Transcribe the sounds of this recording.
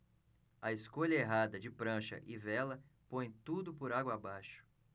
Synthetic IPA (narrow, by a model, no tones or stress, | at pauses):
ɐeskoʎɐeɦad̪ɐd͡ʒɪpɾɐ̃ʃɐ̰ʔɪvɛlɐpõj̃t̪ud̪ʊpʊɾaɡwɐːbajʃʊ̥